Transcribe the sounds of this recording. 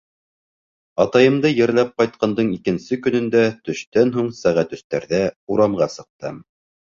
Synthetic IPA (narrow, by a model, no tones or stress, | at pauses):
ɑt̪ɑjɤ̆md̪ɤjɘ̆ɾlæp̚qɑjt̪̚qɑnd̪ɤɴikɘ̆nsɘkɵ̆nɵ̆nd̪æt̪ɵ̆ʃt̪ænɦuɴsæʁæt̪ɵ̆st̪æɾðæuɾɑmɢɑsɤ̆q̚t̪ɤ̰m